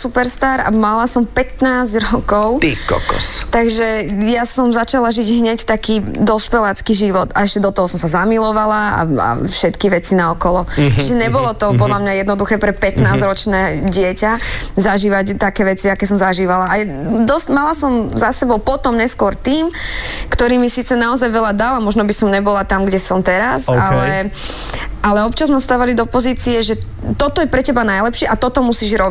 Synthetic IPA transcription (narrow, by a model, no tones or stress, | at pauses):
supɛɾst̪aːɾa̰malasɔmpɛt̪naːzɟɾɔkɔʊikɔ̰kɔ̰st̪aɡʒɛjasɔmzat͡ʃalaʒiɟɦɲɛct̪akiːd̪ɔspɛlaːt͡skiʒiʋɔt̪a̰ɛʃcɛd̪ɔt̪ɔɦɔsɔmsazamilɔʋalaa̰a̰fʃɛt̪kiʋɛt͡sinaɔkɔlɔt͡ʃiʒɛɲɛbɔlɔt̪ɔpɔd̪lamɲajɛd̪nɔd̪uxɛːpɾɛpɛt̪naːzɾɔt͡ʃnɛːɟɪɛcazaʒiːʋact̪akɛːʋɛt͡siakɛːsɔmzaʒiːʋalaajɛd̪ɔscmalasɔmzasɛbɔʊpɔt̪ɔmɲɛskʊɔɾt̪iːmkt̪ɔɾiːmisiːt͡sɛnaɔzajʋɛlad̪alamɔʒnɔbisɔmɲɛbɔlat̪amɡɟɛsɔmt̪ɛɾasalɛ | ʔalɛɔpt͡ʃazmɛst̪aːʋalid̪ɔpɔziːt͡siɛʒɛ | t̪ɔt̪ɔjɛpɾɛcɛbanajlɛpʃɪɛʔat̪ɔt̪ɔmusiʒɾɔbi